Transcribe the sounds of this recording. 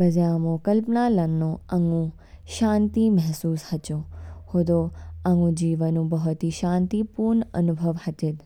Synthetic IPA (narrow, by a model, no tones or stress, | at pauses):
bəzjãmõkəlpnalənːõəŋɡũ | ʃãːnt̪imɛɦsuːshət͡ʃõhod̪oə̃ŋɡũd͡ʒiːʋənũbɐɦot̪iʃãːnt̪ipuːɾɳə̰nubʱəʋhɐt̪ed̪